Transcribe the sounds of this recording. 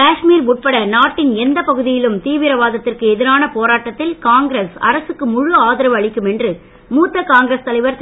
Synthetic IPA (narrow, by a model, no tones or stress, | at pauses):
kaːʂmiːɾuʈ̚pɐɽɐnaːʈːɪnɛnd̪ɐpɐɣɯðɪjɪlɯmt̪iːʋɪɾɐʋaːðɐt̪ːɪrkɯɛðɪɾaːnɐpoːɾaːʈːɐt̪ːɪlkaːŋɡɾesɐ̰ɾɐsɯkːɯmʊɻʊaːðɐɾɐʋɐɭɪkːɯmɛndrɯ | muːt̪ːɐkaːŋɡɪɾɐst̪ɐlɐɪʋɐɾt̪